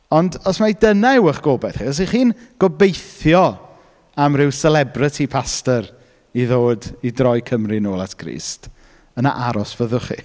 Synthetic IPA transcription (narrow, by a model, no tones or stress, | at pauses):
ɔndɔsmajdənaɪwəχɡ̥oːbɛθχiɔs̬iχiːnɡ̥ɔbejθjɔ | amrɪwsɛlɛbrɪtʰipʰastəɾ | iðoːdidrɔjkʰəmrinoːlˠa̰tʰɡ̥rḭːst | əna̰ʔaɾɔsv̥əðʊχḭ